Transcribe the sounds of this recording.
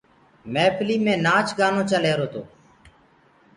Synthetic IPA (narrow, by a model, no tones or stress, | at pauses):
mɛːpʰliːmẽːnaːt͡ʃɡaːnõːt͡ʃəleːɾoːt̪ʰoː